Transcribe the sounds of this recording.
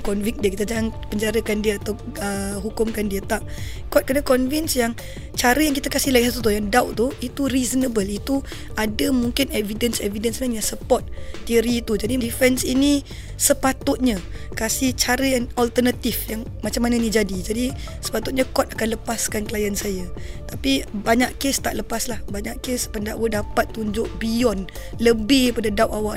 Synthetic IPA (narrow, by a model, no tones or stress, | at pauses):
kɔnvik̚diəkit̪ad͡ʒaaŋpəɲd͡ʒaɾəkandiəat̪awəɦukʊmkandiət̪aʔ | kɔt̪̚kənakɔnvinsjaŋ | t͡ʃaɾəjaŋkit̪akasɪhlaiɦat̪ut̪ujaŋdawʔt̪uit̪uɾizənəbəlit̪u | adəmuŋkɪnɛvidənsɛ̰vidənsnaŋjasəpɔt̪̚ːiəɾiːt̪ud͡ʒadidifɛnsini | səpat̪ʊt̪̚ɲãkasiht͡ʃaɾəjaŋɔlt̪ərnat̪ifjaŋmat͡ʃamːananid͡ʒadid͡ʒadi | sə̥pat̪ʊt̪̚ɲakɔt̪̚akanləpaskanklajənsajat̪apibaɲaʔkest̪aʔləpaslahbaɲaʔkespəndaʔwədapat̪ːuɲd͡ʒʊʔ̚bijɔn | ləbɪhpadadawʔawaʔ